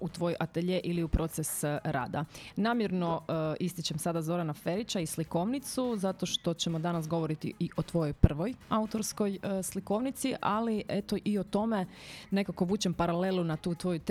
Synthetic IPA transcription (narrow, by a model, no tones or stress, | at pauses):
ut̪ʋo̞jʔat̪eʎeʔiliupɾo̞t̪sesɾa̰ːd̪a̰naːmjeɾno̞ist̪it͡ɕemsad̪azo̞ɾanafe̞ɾit͡ɕaisliko̞ʋnit̪suzat̪o̞ʃt̪o̞t͡ɕe̞mod̪anasɡo̞ʋo̞ɾit̪ḭiʔo̞t̪ʋo̞jojpr̩ʋo̞jaut̪o̞ɾsko̞jsliko̞ʋnit̪siʔa̰liʔet̪o̞ʔio̞t̪o̞me̞ne̞kako̞ʋuːt͡ɕempaɾale̞lˠunat̪uːt̪ʋo̞jut̪